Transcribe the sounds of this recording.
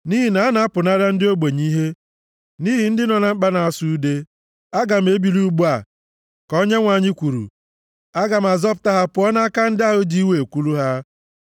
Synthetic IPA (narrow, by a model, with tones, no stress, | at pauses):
ni˦ɦi˨na˨a˦na˦a˦pʊ˨na˦ɾa˦n̩˦dɪ˦o˦ɡ͡be˨ɲi˦ɦe˦ | ni˦ɦi˨n̩˦dɪ˦nɔ˨na˨ŋ͡m̩˦k͡pa˦na˨a˨su˦de˦ | a˦ɡa˨m̩˨e˦bi˨lu˦ɡ͡bu˦a˨ | kɔ˦ɲe˦ŋʷa˨ɲɪ˦kʷu˨ɾṵ˨ | a˦ɡa˨m̩˨a˨zɔ˦pʊ˨ta˦ɦa˦pʊ˨˦ɔ˦na˦a˦ka˦n̩˦dɪ˦a˦ɦo˦d͡ʒi˦we˨e˨kʷu˦lu˦ɦa˦